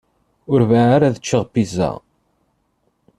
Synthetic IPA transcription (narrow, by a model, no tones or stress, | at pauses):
ʊɾvaaɾaðət͡ʃːəʁpːiza̰ʁ